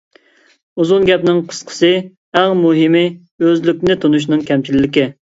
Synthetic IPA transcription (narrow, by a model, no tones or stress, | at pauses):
uzunɡʲɛpnɪŋqʰə̥sqʰə̥sɨ | æŋmuɦɪmɪ | øzlykʲnɪt̪ʰonuʃ̬nɨŋkʲʰɛmt͡ʃʰilːɪkʲɪ